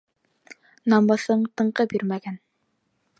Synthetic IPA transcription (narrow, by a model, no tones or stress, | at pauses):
nɑmbɑsɤɴt̪ɤ̆ɴqɤbiɾmæɡæn